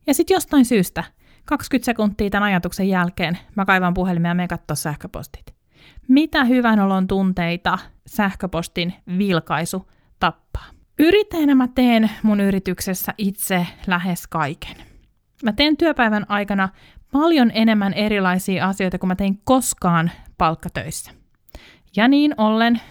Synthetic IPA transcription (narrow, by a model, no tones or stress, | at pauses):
jɑsit̪jost̪ɑinsyːst̪æ | kɑkskyt̪se̞kunt̪ːiːt̪ænɑjɑt̪uksejælkeːnmækɑiʋɑmpuɦelimjɑmeiŋkɑt̪ːoːssæhkøpo̰st̪i̥t̪ | mit̪æhyʋænolont̪unt̪eit̪ɑsæhkøpost̪inʋilkɑisu | t̪ɑpːɑ̥ː | yɾit̪ːejnæmæt̪eːnmunyɾit̪yksesːæʔit̪selæɦeskɑike̥n | mæt̪eːnt̪yøpæiʋænʔɑjkɑnɑ | pɑljonʔene̞mːæneɾilɑisiːɑsijo̞jt̪ɑkumæt̪e̞iŋkoskɑːnpɑlkːɑt̪ø̰isːæ̥ | jɑniːnolːen